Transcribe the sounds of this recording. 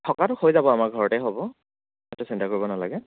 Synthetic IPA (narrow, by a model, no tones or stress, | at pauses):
tʰɔkatʊxojzabɔamaɹɡʱɔɹɔtɛɦobɔ | ɛtʊsintakoɹibɔnala̰ɡɛ